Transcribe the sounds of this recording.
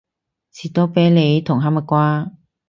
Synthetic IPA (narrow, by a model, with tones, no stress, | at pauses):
t͡sʰiː˨˩t̪oː˥pɛː˨˥jle˨˧jt̪ʰʊ˨˩ŋɦaː˨˥ma˨˧kʷwaː˥